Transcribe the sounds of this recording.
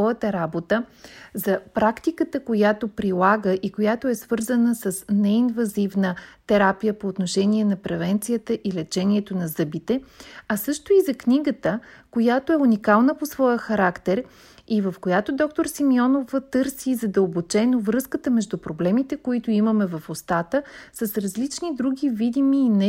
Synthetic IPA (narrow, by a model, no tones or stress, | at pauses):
ɔjət̪əɾabot̪əzɐpɾakt̪ikət̪əkojat̪opɾilˠaɡəʔikojat̪oɛsv̥ɤɾzənəsəsnɛinvɐzivnət̪ɛɾapijəpoːt̪noʃɛniɛnɐpɾɛvɛnt̪sijət̪əʔilɛt͡ʃɛniɛt̪onɐzɤbit̪ɛɐsɤʃt̪oizɐkniɡət̪əkojat̪oɛunikalˠnəposvɔjəxɐɾakt̪ɛɾ | ivəfkojat̪od̪ɔk̚t̪oɾsimiɔnovət̪ɤɾsizɐd̪əlˠbot͡ʃɛnovɾɤskət̪əmɛʒd̪upɾoblɛmit̪ɛkoit̪ʊiməmɛvəfost̪at̪əsəsɾɐzlit͡ʃnid̪ɾuɡʲivid̪imiːnɛ